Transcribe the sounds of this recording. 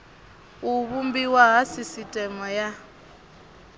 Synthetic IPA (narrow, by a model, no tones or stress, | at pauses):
uβumbiwaɦasisitʼɛmɔja